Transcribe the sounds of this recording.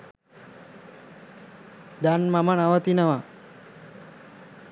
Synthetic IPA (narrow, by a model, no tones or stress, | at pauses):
d̪anmamanaʋət̪inaʋa